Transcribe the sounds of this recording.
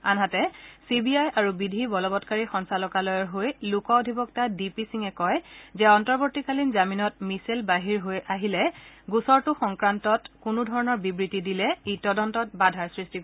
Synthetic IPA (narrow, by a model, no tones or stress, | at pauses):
anɦatɛsibiajaɹubidʱibɔlɔbɔtkaɹixɔnsalɔkalɔjɔɹɦojlukɔɔdʱibɔktadipisiŋɛkɔjzɛɔntɔɹboɹtikalinzaminɔt̚miselbaɦiɹɦojaɦilɛɡusɔɹtʊxɔŋkɹantɔtkunʊdʱɔɹɔnɔɹbibɹitidilɛejtɔdɔntɔt̚badʱaɹsɹistik